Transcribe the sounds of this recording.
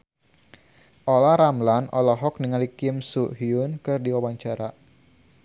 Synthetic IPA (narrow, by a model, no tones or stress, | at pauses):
ʔolaɾamlanɔlaɦɔk̚niŋalikɪmsuʔɦiʊnkɨrdiwawaɲt͡ʃaɾa